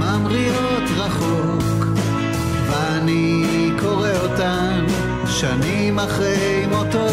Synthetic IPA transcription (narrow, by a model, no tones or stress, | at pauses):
mamʁijot̪ʁaχo | k | veani | ko̞ʁeota | ʃani | maχʁe | imot̪o